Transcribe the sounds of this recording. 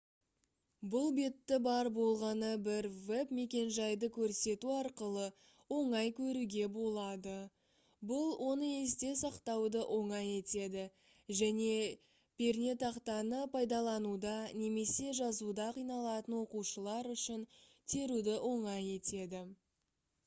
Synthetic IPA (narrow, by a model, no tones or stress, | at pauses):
bʊlˠbe̞t̪ːɪbɑɾbo̞lˠʁɑnəbɪɾvepme̞kʲe̞nʒɑjd̪əkʲʰɵɾse̞t̪uɑɾqəlˠə | wo̞ɴɑjkʲʰɵɾuɡʲe̞bo̞lˠɑd̪ə | bʊlˠwʔo̞nəe̞sd̪e̞sɑqt̪ɑwd̪əʔo̞ɴɑje̞t̪e̞d̪ɪ | ʒæne̞ | pʲʰe̞ɾne̞t̪ɑqt̪ɑnəpʰɑjd̪ɑlˠɑnud̪ɑne̞me̞se̞ʒɑzud̪ɑqʰijnɑlˠɑt̪ənwo̞quʃəlˠɑɾʏʃɪnt̪ʰe̞ɾud̪ɪʔo̞ɴɑje̞t̪e̞d̪ɪ